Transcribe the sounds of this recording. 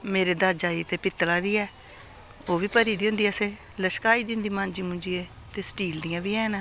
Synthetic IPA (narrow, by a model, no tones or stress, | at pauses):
meːɾeːd̪aːd͡ʒaːiːt̪eːpɪt̪ːlaːd̪iːɛː | oːʋiːpəɾiːd̪iːɦʊ̃nd̪iːɛsẽː | ləʃkaːiːd̪iːɦʊ̃nd̪iːmãːnd͡ʒiːmʊ̃nd͡ʒiːeː | t̪eːsʈiːld̪ijãːbiːɛːna